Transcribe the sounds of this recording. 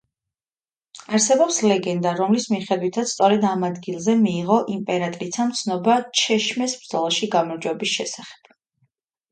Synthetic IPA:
aɾsɛbɔpslɛɡɛnd̪aɾɔmlismiχɛd̪wit̪ʰat̪sssʼɔɾɛd̪amad̪ɡilˠzɛmiːʁɔʔimpʼɛɾat̪ʼɾit̪ʰamt̪sʰnɔbat͡ʃʰɛʃmɛsbɾd̪zɔlˠaʃiɡamɔɾd͡ʒwɛbisʃɛsaχɛ̥b̥̚

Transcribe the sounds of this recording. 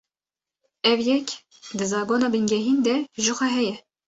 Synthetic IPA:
ɛvjɛk | d̪ɨzɑːɡoːnɑːbɨnɡɛɦiːnd̪ɛʒəxʷɛɦɛjɛ

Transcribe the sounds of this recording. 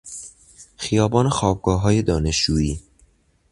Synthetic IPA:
xijɒːbɒːnexɒːb̚ɡɒːɦɒːjed̪ɒːneʃd͡ʒuːiː

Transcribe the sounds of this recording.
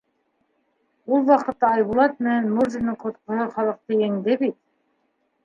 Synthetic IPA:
ulˠwɑqɤ̆t̪ːɑːjβulˠɑt̪̚mɘ̆nænmuɾzinɤɴqŏt̪̚qŏhɤχɑlˠɤ̆q̚t̪ɤæŋd̪ɘbit̪̚

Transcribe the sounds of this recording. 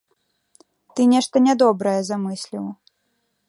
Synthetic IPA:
t̪ɨnʲɛʂt̪ɐnʲɛd̪ɔbɾɐjɛzamɨsʲlʲiw

